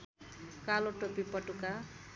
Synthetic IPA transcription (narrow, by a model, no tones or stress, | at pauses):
kaloʈopipʌʈuka